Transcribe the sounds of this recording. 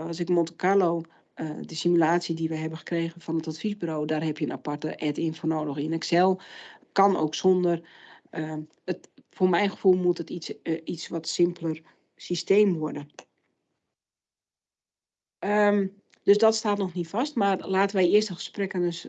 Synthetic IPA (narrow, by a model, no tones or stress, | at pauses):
ɑsɪkmontəkʰalow | ədəsimylaːsjədiʋɛjɦɛbənxə̥kreːɣənfɔnətatfizbyrowdarɦɛpjənapartəʔɛtɪənfoːrnoːdəxɪnɛksɛlˠkɔno̰ːksondər | ə | əfoːrmɛjnxə̥fulˠmutətiit͡sʋɔtsɪmplər | sisteːmʋɔrdə | ə | d̥øsdɔtstaːtnɔxnitfastmarlaːtəʋɛjɪəstəxə̥sprɛkənəs